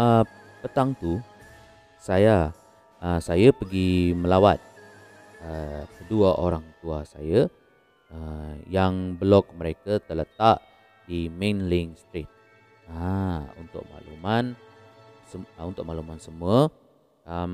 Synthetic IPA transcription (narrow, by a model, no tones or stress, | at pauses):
ə | pət̪aŋt̪u | saja | əsajapəɡiməlawat̪̚ | əkəduaʔoɾaŋt̪uasaja | əjaŋbəlɔk̚məɾekat̪ərlət̪aʔ | d̥imẽnliŋst̪ɾit̪̚ | aṵnt̪ʊ̰k̚ma̰ʔlṵman | səunt̪ʊk̚maʔlumansəmuə | əm